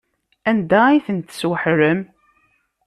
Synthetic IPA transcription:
ænd̪æiθənt̪ːə̥swəħɾəm

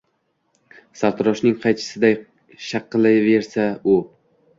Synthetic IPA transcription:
saɾt̪ʰɾɒʃnɪŋqʰɑjt͡ʃʰɪ̥sɪd̪aj | ʃɑqːlˠɪve̞ɾsaʊ

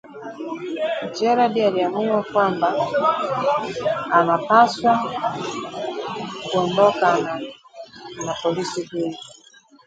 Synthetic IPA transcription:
t͡ʃɛɾadialiamuwakwamba | napaswa | kuɔndɔkana | napɔlisiɡul

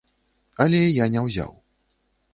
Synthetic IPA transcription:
ɐlʲɛjanʲɛwzʲa̰w

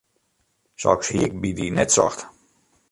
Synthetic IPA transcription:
sɔ̰kshiəkbidinɛtsɔ̰xt

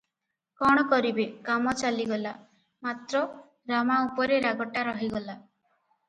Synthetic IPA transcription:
kɔɽ̃ɔkɔɾibekamɔt͡ʃaliɡɔla | mat̪ɾɔ | ɾamaupɔɾeɾaɡɔʈaɾɔɦiɡɔla

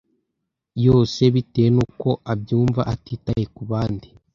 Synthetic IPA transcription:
joːse̞βitenuko̞ʔabjuːɱvaʔatiːta̰jekuβaːndi

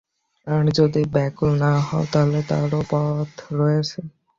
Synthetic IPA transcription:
aɾd͡ʑod̪ibɛkulnaɦɔet̪aɦlet̪a̰ɾopɔt̪ʰɾɔet͡ɕʰe

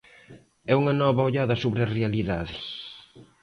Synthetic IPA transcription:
ɛuŋɐnɔβaoʎaðɐsoβɾeɐrealiðaðɪs

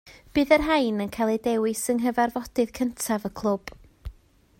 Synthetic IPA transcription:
b̥ɨːðərɦajnənkʰajlˠedɛwɪsəŋɦəvarvɔdɨð̥kʰəntʰavəkʰlˠʊb̥

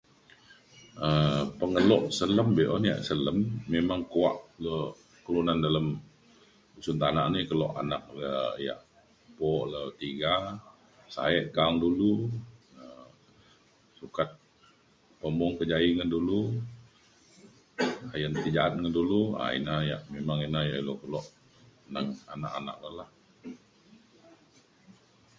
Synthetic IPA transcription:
əpəŋəlɔʔsələmbeʔɔnija̰ʔsələmːemaŋkua̰ʔlə | kəlunandaləm | usunt̪anaʔnikəlɔʔa̰nak̚ləja̰ʔ | pɔʔlət̪iɡa | sa̰ɛʔkaŋdulu | ə | sukat̪̚ | pəmɔŋkəd͡ʒaiŋəndulu | ajənt̪id͡ʒaʔat̪̚ŋəndulua̰ḭnaja̰ʔmemaŋinaja̰ʔilokəlɔʔ | naŋa̰naʔana̰k̚ləlah

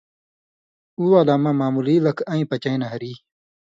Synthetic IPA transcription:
uːwaːlaːmãmaːmuliːlɐkʰɐ̃ĩːpɐt͡ɕaĩnɐɦɐɾiː

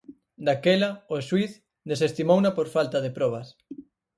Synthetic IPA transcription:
d̪akɛlɐʊswiθ | d̪esest̪imownapoɾfalt̪ɐðepɾɔβ̞ɐs

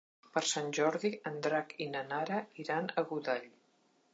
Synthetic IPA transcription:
pəɾsanʲʒɔɾðiənd̪ɾakinənaɾəiɾanəɣuðaʎ

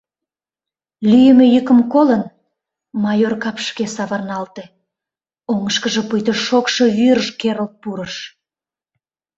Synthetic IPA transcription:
lyjəmejəkəmkolən | mɑjorkɑpʃkesɑβɑrnɑlt̪e | oŋəʃkəʒe̽pujt̪əʃokʃo̽βyɾəʃkeɾəlt̪̚puɾəʃ

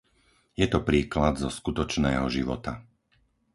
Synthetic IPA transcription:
jɛt̪ɔpɾiːklad̪zɔskut̪ɔt͡ʃnɛːɦɔʒiʋɔ̰t̪a

